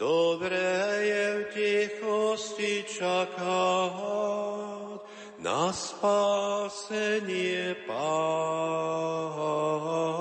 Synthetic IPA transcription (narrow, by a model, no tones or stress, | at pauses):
d̪̥obɾɛjɛwtʲɛxostit͡ʃakaa | t̪ | na̰spasɛniɛpa | ɦa